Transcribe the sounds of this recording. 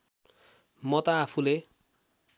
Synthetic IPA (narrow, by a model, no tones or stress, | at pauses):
mʌt̪ʌːpʰule